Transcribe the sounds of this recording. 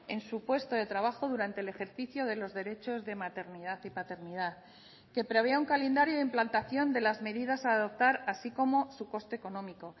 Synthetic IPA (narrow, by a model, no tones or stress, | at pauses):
e̞nsupwe̞st̪o̞ðe̞t̪ɾaβaxo̞ð̞uɾant̪eːle̞xe̞ɾθiθjo̞ð̞e̞lo̞zðe̞ɾe̞t͡ʃo̞zðe̞mat̪e̞ɾniðaθipat̪e̞ɾniðaθ | ke̞pɾe̞β̞e̞auŋkale̞nd̪aɾjo̞ðimplant̪aθjo̞nd̪e̞lazme̞ðiðasaːðo̞p̚t̪aɾasiko̞mo̞suko̞st̪e̞eko̞nõ̞miko̞